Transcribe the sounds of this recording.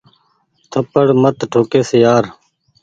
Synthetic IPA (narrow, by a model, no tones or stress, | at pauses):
t̪ʰəpəɽmət̪ʈʰoːkeːsejaːɾ